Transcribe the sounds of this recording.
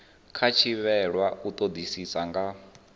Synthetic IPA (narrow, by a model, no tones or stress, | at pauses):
kʰat͡ʃʰiβɛɺwaut̪ʼod̪isisaŋɡa